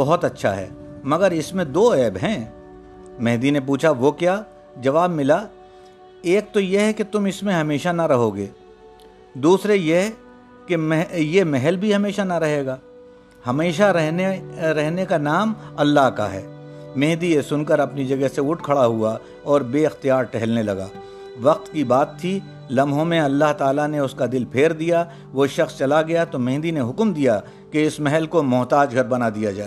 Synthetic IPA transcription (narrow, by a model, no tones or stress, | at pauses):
bɔɦʊt̪ɐtːʃʰa̰ɦɛ̰ːmɐɡəɾɪsmẽd̪oːɛːbɦɛ̃ | mɛɦd̪inẽp̬uːt͡ʃʰaʋokjaː | d͡ʒɐʋaːbmɪla | eːk̚t̪ojeɦɛket̪ʊmɪsmẽɦɐmeːʃanaɾɐɦoːɡeː | d̪uːsɾejeɦ | kejemɛɦɛlbʱiɦɐmeːʃanaɾɐɦeːɡaː | hɐmeːʃaɛɦɾɛɦnekanaːmɐlːaɦka̰ɦɛ̰ːmẽːd̪iesʊnkəɾɐpnid͡ʒɐɡəɦseʊʈkʰɐɽaɦua | ɔːɾbeːɪxt̪ijaːɾʈɛɦɛlnelɐɡa̰ː | ʋɐq̚t̪kibaːt̪ʰːi | lɐmɦõmẽɐlːaɦt̪aːlaneʊskad̪ɪlpʰeːɾd̪ija | ʋoʃɐxst͡ʃɐlaɡɐjat̪omẽːd̪ineɦʊkmd̪ija | keɪsmɛɦɛlkomʊɦt̪aːd͡ʒɡʱɐɾbɐnad̪ijad͡ʒaːe